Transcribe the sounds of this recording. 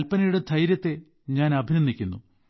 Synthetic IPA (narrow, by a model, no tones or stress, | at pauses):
lpɐnɐjuɽe̞d̪ʱɐjɾjɐt̪ːe̞ | ɲaːnɐbʱinɐnd̪ʱikʲːunːu